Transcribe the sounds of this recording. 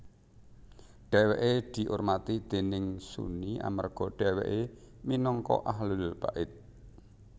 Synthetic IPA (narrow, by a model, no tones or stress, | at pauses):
ɖ̥ɛweʔed̪̥i̤ʔʊrmat̪id̪̥e̤nɪŋsṵniʔa̰mə̰rɡ̥ɔ̤ɖ̥ɛ̤wḛʔe | minɔŋkɔ̰ʔaɦlʊlb̥aʔɪt̪̚